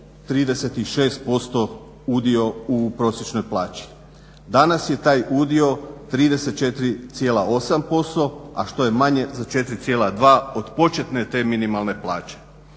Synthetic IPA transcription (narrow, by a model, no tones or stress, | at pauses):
t̪ɾiːd̪e̞se̞t̪iʃe̞ːst̪̚po̞st̪o̞ | uːd̪io̞upɾo̞sjet͡ʃno̞jplˠaːt͡ɕi̥ | d̪anasje̞t̪aːjuːd̪io̞t̪ɾiːd̪e̞se̞t̪̚t͡ʃe̞t̪ɾit̪sʲje̞ːlˠao̞sampo̞st̪o̞aʃt̪o̞je̞maɲe̞zat͡ʃe̞t̪ɾit̪sje̞ːlad̪ʋaːod̪po̞t͡ʃe̞t̪ne̞t̪e̞minimalˠne̞plˠaːt͡ɕe̞̥